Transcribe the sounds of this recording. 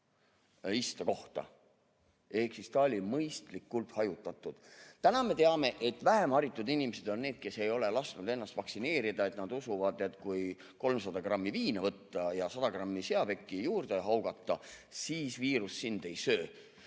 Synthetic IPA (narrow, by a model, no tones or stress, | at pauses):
ist̪ɑko̞ht̪ɑ̰ | e̞hksist̪ɑolʲimɤjst̪likːult̪hɑjut̪ːˑɑt̪ːˑud̪̥t̪ænɑme̞t̪e̞ɑme̞ʔe̞t̪væɦe̞mɑɾit̪ːˑud̪inimese̞d̪̥o̞nːe̞ːd̪̥̚ke̞se̞jo̞le̞lɑst̪nud̪e̞nːɑst̪vɑksine̞ːɾid̪ɑe̞t̪nɑd̪̥usuvɑd̪et̪kuj | ko̞lmsɑd̪ɑɡrɑmːiviːnevɤt̪ːɑjɑsɑd̪̥ɑɡ̥rɑmːise̞ɑbe̞kːˑijuːrd̪̥eɦɑwɡ̥ɑt̪ːˑɑsiːsviːɾusːind̪̥e̞jsøː